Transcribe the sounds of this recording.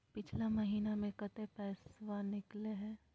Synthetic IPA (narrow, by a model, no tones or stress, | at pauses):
pɪt͡ʃʰlamɐɦiːnamẽkɐt̪epɛːswanɪkleɦɛ̃ː